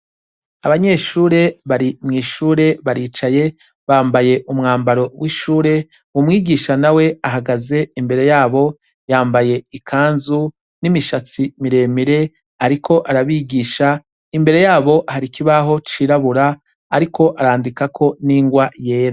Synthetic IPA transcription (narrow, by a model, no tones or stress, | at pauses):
aβaɲe̞ːʃuːɾe̞βaɾimŋiːʃuːɾe̞βaɾiːt͡ʃaje̞ | βaːmbaje̞ʔumŋaːmbaɾo̞wiʃuːɾe̞ | wumŋiːɡiʃanawe̞aɦaɡaze̞imbe̞ɾe̞jaːβo̞ | jaːmbaje̞ikʰaːnzu | nimiʃat͡simiɾe̞ːmiɾe̞ | aɾikʰo̞ʔaɾaβiːɡiːʃa | imbe̞ɾe̞jaːβo̞ʔhaɾikiβaɦo̞t͡ʃiɾaβuɾaː | ɾikʰo̞ʔaɾaːndikakʰo̞niːŋɡwaje̞ːɾa